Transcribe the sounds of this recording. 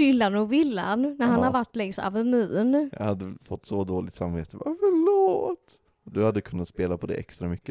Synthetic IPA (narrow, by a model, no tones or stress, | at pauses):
ɪlːanɔvɪlːannæɾhanhaɾɾvaʈːlɛŋsa̰vɛnʉ̟ːnja̰had̪ːəfɔt̪ːsɔd̪oːlɪt̪samveːt̪əbɑːfœɭoːt̪ | ɔd̪ɵhad̪ːəkʰɵnːat̪speːlapʰɔd̪ɛ̰ʔɛ̰kst̪ɾamʏkːə